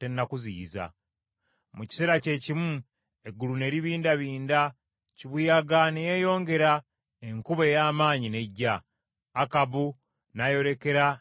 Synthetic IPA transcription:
te̞nːakuzḭːza̰ | muci̥seɾace̞ːcimu | e̞ɡulune̞ːɾiβiːndaβiːnda | ciβujaɡanejejo̞ːŋɡe̞ɾa | eŋkuβejaːmaːɲine̞ɟːaː | kaβu | najo̞ɾe̞ke̞ɾa

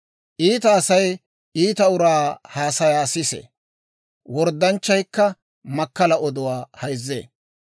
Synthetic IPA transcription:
ʔiːt̪ɐːsɐj | ʔiːt̪ɐʊɾaːhaːsɐjaːsɪsḛ | wɔɾd̪ːɐnt͡ʃːɐjkːɐ | mɐkːɐlɐɔd̪ʊwaːhɐjzːḛː

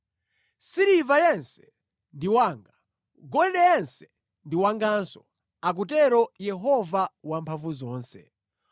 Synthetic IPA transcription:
siɾivajɛnsɛ̥ | ndiwaːŋɡa | ɡɔɗɛjɛnsɛ̥ | ndiwaŋɡansɔ | ak̬utɛɾɔjɛɦɔvawampʰaɱvuzɔːnsɛ̰

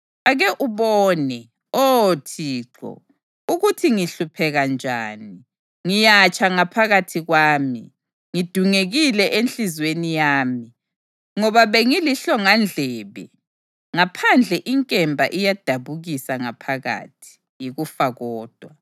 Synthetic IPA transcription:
aɣɛʔuβɔːnɛ | otʰiːǁɔ̰ | uɣutʰiŋiɬupʰɛɣand͡ʒʱa̰ːni | ŋijat͡ʃʰʼaŋapʰaɣatʰiɣwaːmi | ŋid̥ʱuŋeɣilɛʔenɬizwenijaːmi | ŋɔβaβeŋiliɬɔŋand͡ɮʱɛːβɛ̰ | ŋapʰand͡ɮʱɛʔiŋkʼɛmbʱa̰ʔijad̥ʱaβuɣisaŋapʰaɣa̰tʰi̥ | jiɣufaɣɔːd̥ʱwa

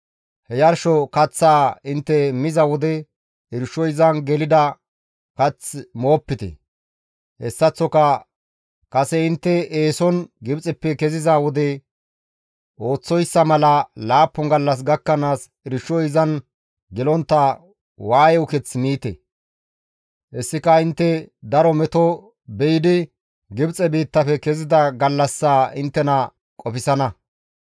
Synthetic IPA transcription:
hɛjɐɾʃɔkɐt͡sːaːɪnt̪ːɛmɪzɐwɔd̪ɛ | ɪɾʃɔjɪzɐnɡɛlɪd̪ɐ | kɐt͡smo̞ːpːɪt̪ɛ̰ | hɛsːɐt͡sːɔkɐ | kɐsɛɪnt̪ːɛeːsɔnɡɪbt͡sʼɛpːɛkɛzɪzawɔd̪ɛ | ʔo̞ːt͡sːɔjsːɐmɐlɐlaːpːɔŋɡɐlːɐs̬ɡɐkːɐnaːs | ɪɾɪʃːɔɪzɐn | ɡɪlɔnt̪ːɐ | waːjɛʊkɛt͡smiːt̪ɛ̰ | ʔɛsːɪkɐɪnt̪ːɛd̪ɐɾɔmɛt̪ɔ | bɛjɪd̪ɪ | ɡɪbt͡sʼɛbiːt̪ːɐfɛkɛzɪd̪ɐɡɐlːɐsːaːɪnt̪ːɛnɐ | kʼɔfɪsɐnɐ

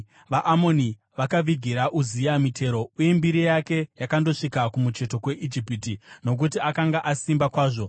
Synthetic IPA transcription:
ʋaʔamo̞ni | ʋakaʋiɡʱiɾaʔuziamitʰe̞ɾo̞uje̞mbiɾijake̞jakando̞ʂikakumut͡ʃe̞to̞kwe̞ʔid͡ʒipitino̞k̬utiakaŋɡaʔasimbakwaːʐo̞

